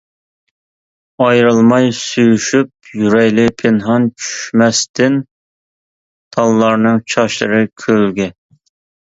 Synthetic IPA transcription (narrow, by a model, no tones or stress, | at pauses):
ɑjɾɨlˠmɑjsyjyʃyp̚jyɾɛjlɪpʰɪnɦɑnt͡ʃʰy̥ʃmɛst̪ɪn | t̪ʰɑlˠːɑɾnɨŋt͡ʃʰɑʃlˠɨ̰ɾɨkʲʰølɡʲɛ